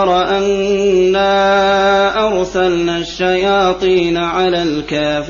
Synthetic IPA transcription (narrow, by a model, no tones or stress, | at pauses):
ɾˤɑʔanː | aː | ʔɑɾˤsalnaːʃːajaːt̪ˤiːnaʕalaːlkaːf